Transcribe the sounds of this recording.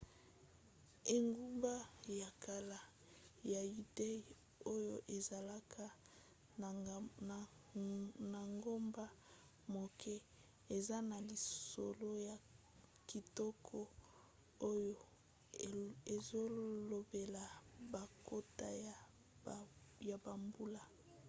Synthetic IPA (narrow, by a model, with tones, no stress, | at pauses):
e˨ŋɡu˦mba˦ja˨ka˨la˨ | ja˨ju˨de˦j | o˦jo˦ʔe˨za˨la˦kʰa˦˨ | na˨ŋɡo˦mba˦ | mo˨kʰɛ˦ | e˨za˦na˨li˨so̰˨lo˦ja˨ | ki˨tɔ˦kʰɔ˦ | o˦jo˦ | e˨zo˦lo˨be˨la˨ba˨ko˦ta˦ja˨ | ja˨ba˨mbu˦la˦